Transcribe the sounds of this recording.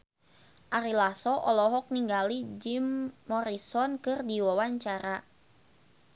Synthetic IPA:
ʔaɾilasɔʔɔlɔɦɔk̚niŋɡalid͡ʒimːɔɾisɔnkɨrdiwawaɲt͡ʃaɾa

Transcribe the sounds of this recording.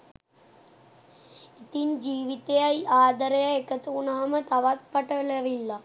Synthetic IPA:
it̪ind͡ʒiːʋit̪ːeɐjaːd̪ɐɾɐjɐekːɐt̪ːuːnaːmɐt̪ɐʋɐt̪̚pɐʈːɐlɐʋilːɐ

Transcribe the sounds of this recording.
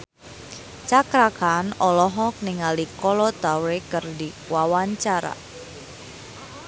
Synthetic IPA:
t͡ʃakɾakanɔlɔɦɔkniŋalikɔlɔt̪awekərdi | wawaɲt͡ʃaɾa̰

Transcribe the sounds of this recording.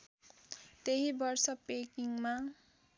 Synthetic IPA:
t̪eɦibʌrsʌpekiŋma

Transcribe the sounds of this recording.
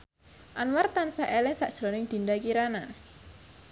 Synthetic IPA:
ʔanwart̪ansaʔɛlɛsa̰ʔd̥ʒ̥ɾonɪŋd̪̥i̤nd̪akiɾana

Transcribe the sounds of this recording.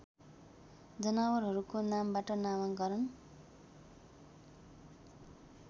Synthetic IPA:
d͡zʌnawʌrɦʌɾukonambaʈʌnamʌŋɡʌɾʌn

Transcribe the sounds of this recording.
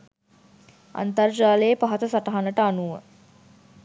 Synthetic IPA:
a̰nt̪ard͡ʒaːlejəpaɦat̪əsaʈaɦanəʈəanuʋə̰

